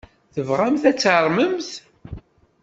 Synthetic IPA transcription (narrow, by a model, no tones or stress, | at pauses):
θəvʁæmθæt͡sːʕəɾˤməmθ